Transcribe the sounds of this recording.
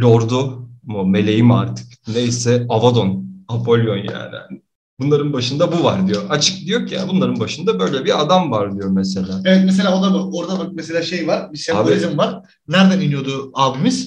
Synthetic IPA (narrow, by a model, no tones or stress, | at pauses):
lʲoɾd̪omume̞lʲe̞jimaɾt̪ʰɯ̥kne̞jsɛavad̪onapʰo̞lʲjonja̰ːnḭnɪ | b̥unlˠaɾɯnbaʃɯnd̪abuvaɾd̪ijo̞at͡ʃʰɯ̥k̚d̪ijo̞cʰja̰nbunlˠaɾɯnbaʃɯnd̪abø̞jlʲɛbiɾad̪amvaɾd̪ijo̞ɾmese̞lʲaːevɛt̪mes̬e̞lʲaːod̪abuoɾd̪abakmeselʲaːʃe̞jvaɾbiseaboizɯmvaɾ | næɾd̪æninyjo̞d̪uabimiz̥